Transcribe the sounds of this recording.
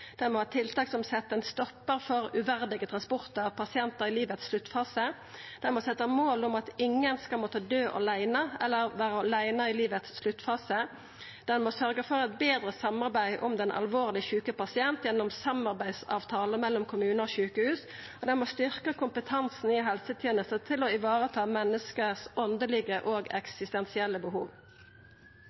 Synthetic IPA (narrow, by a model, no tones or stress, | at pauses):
dd̪̥ɛnmɔhɑːt̪ʰɪlt̪ɑːksɔmsɛt̪ːəɛnst̪ɔpːəʁfɔʁʉʋæʁd̪ɪɡət̪ʰʁɑnspʊʁt̪əɑpʰɑsɪɛnt̪əʁɪliːʋət̪sʂlʉt̪ːfɑːsə | d̪̥ɛnmɔsɛt̪ːəmoːlʊmɑt̪ɪŋːənskɑlmoːt̪əd̪øːʔɔ̰læɪnɑɛlːəʁʋæːʁəɔlæɪnəɪliːʋət̪sʃlʉt̪ːfɑːsə | d̪̥ɛnmoːsœʁɡəfɔʁɛt̪̚beːd̪ɾəsɑmɑʁbæɪʔɔmd̪ɛnʔɑ̰lʋoːʁlɪçʉːkəpɑsɪɛnt̪jɛnːɔmsɑmɑʁbæɪsɑ̰ːʋt̪ʰɑːləmɛlːɔmkʰʊmʉːnəoːçʉːkəhʉːs | ɔd̪ɛnmoːst̪ʏʁkəkʰʊmpət̪ʰɑnsn̩ɪɦɛlsət̪ʰeːnəst̪ət̪ʰɪlɔɪʋɑːɾət̪ʰɑːmɛnːəskəsɔnd̪əlɪɡəʔoːɡɛ̰ksɪst̪ɛnsɪɛlːəbəɦṵːʋ